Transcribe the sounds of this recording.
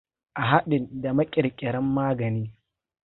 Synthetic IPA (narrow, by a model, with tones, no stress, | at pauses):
ʔa˨ɦa˦ɗɪ˨nda˨mɐ˦kʲʼɪ˨ɾkʲʼɪ˨ɽɐ˦mːaː˦ɡɐ˨niː˦